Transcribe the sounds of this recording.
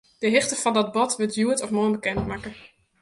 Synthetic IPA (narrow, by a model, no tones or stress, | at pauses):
d̥əɦɪxtəfɔndɔt̚bɔtʋətjuətɔfmoənbəkɛntmakə